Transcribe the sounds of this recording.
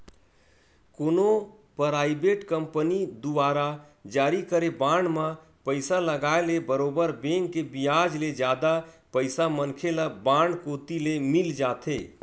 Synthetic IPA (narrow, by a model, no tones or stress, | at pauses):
koːno | pɾaːɪbeʈkəmpənid̪ubaːɾa | d͡ʒaːɾikəɾebãɳɖmã | pəɪsaləɡaelebəɾoːbəɾbẽŋɡkːebijad͡ʒled͡ʒjaːd̪a | pəɪsamənkʰeləbãɳɖkot̪ilemild͡ʒaːt̪ʰe